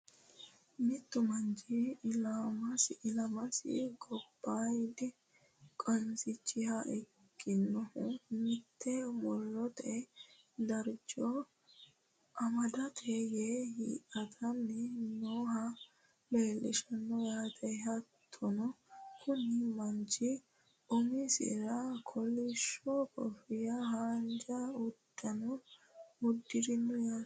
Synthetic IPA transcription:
mɪt̪ːʊmɐnd͡ʒilamɐsɪʔɪlɐmɐsɪ̰ɡɔbːajd̪ɪ | kʼɐnsɪt͡ʃːɪhɐʔɛ | ɡːɪnːɔhʊmɪt̪ʰːɛmɔlːɔt̪ɛ | d̪ɐɾd͡ʒɔ | ʔɐmɐd̪ɐt̪ʰejehḭːʔɐt̪ʰɐnːɪnoːɦɐ | meːlʔɪ̰ʃɐnːɔjaːt̪ʰɛjɦɐt̪ʰːɔnɔkʰʊnɪmɐnt͡ʃɪ | ʊmɪsɪ̰ɾɐkʰɔlɪʃɔkɔ̰fɪjɐhaːnd͡ʒɐʊdɐnɔ | ʊd̪ːɪɾɪnːɔja

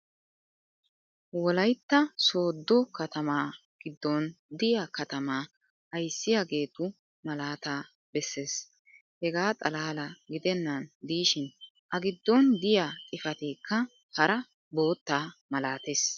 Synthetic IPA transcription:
wɔlɐjt̪ːɐso̞ːd̪ːɔkɐt̪ɐmaː | ɡ̥ɪd̪ːɔnd̪ɪjaːkɐt̪ɐmaː | ʔɐjsːɪjaːɡe̞ːt̪ʊ | mɐlaːt̪aː | bɛsːe̞ːs | hɛɡaːt̪ʼɐlaːlɐɡɪd̪ɛnːɐnd̪iːʃɪn | ʔɐɡɪd̪ːɔnd̪ɪjaːkʼɪfɐt̪iːkːɐ | hɐɾɐ | bo̞ːt̪ːaːmɐlaːt̪eːs

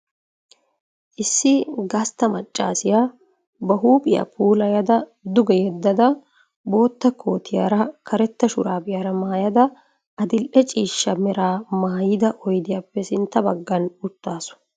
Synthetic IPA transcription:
ʔɪsːɪɡɐst̪ːɐmɐt͡ʃʼːa̰ːsɪjaː | bɐɦuːpʼɪjɐ̰pʰuːlɐjɐd̪ɐd̪ʊɡɛjɛd̪ːɐd̪ɐ | bo̞ːt̪ːɐkʰo̞ːt̪ʰɪja̰ːɾɐkʰɐɾɛt̪ːɐʃʊɾaːbɪjaːɾɐmaːjɐd̪ɐ | ʔɐd̪ɪlʔɛt͡ʃʼiːʃːɐmɛɾaːmaːjɪd̪ɐʔɔjd̪ɪjapːɛsɪnt̪ːɐbɐɡːɐnʊt̪ːaːsʊ̥

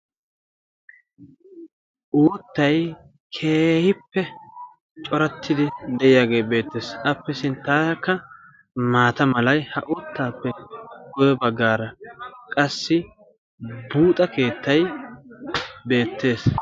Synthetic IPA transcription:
ʔoːt̪ːɐj | kʰe̞ːhɪpːɛ | t͡ʃʼɔɾɐt̪ʰːɪd̪ɪd̪ɛʔɪjaːɡe̞ːbe̞ːt̪ːe̞ːsʔɐpːɛsɪnt̪ːaːɐkːɐ | maːt̪ɐmɐlɐjhɐʔoːt̪ːaːpːɛɡɔjɛbɐɡːaːɾɐkʼɐsːɪ | buːt̪ʼɐke̞ːt̪ːɐj | be̞ːt̪ːe̞ːs

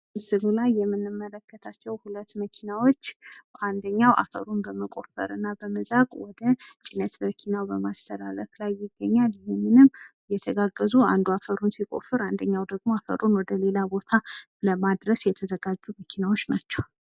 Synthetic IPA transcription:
msɨβulajːɛmːɨnːɨmːələkːət̪ʰat͡ʃːɛwhulət̪ːməkʰinawo̞t͡ʃːʔand̪əɲːawʔa̰fə̰ɾunbəməkʼo̞̰fə̰ɾɨnːabəmɨzaɡʼwɔd̪ət͡ʃʼinət̪məkʰinawbəmast̪ʰəɾaləklajːɪɡːəɲːaljɛmːɨnɨmː | jɛt̪ʰəɡaɡːəzuand̪uafəɾunsikʼo̞̰fɨɾand̪əɲːawd̪əɡmo̞afə̰ɾunwɔd̪əle̞labo̞t̪ʰa | ləmad̪ɾəsjɛt̪ʰəzəɡad͡ʒːuməkʰinawo̞t͡ʃːnat͡ʃːɛw

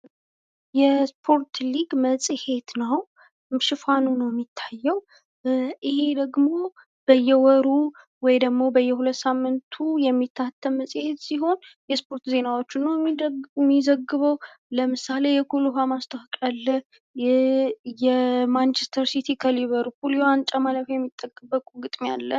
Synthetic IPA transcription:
jɛspʰo̞ɾt̪liɡməsʼihe̞t̪nəw | ʃɪfanunəwjmːit̪ʰːajːɛw | ʔihe̞d̪əɡmo̞ | b̥əjːɛwɔɾu | wɔjd̪əɡmo̞bəjːɛhulət̪ːsamːɨnt̪ʰujɛmːit̪ʰːat̪ʰːəmməsʼhe̞t̪siɦo̞njɛspʰoɾt̪ze̞nawo̞t͡ʃːɪnːəwmːizəɡːɨβəw | ləmɨsale̞jɛkʰuluɦamast̪ʼʰəhkʼalːəh | jɛmant͡ʃest̪ʰəɾsit̪ʰikʰəliβəɾpuljoant͡ʃʼamaləfjɛmːit̪ʼːəkʼːəbːəkʼuɡɨt̪ʼmialːə

